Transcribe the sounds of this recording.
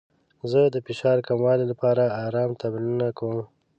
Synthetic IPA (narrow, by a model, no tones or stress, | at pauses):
zəd̪əfɪʃɑɾkamwɑlelapɑɾaːɾɑmt̪ablinunakawəm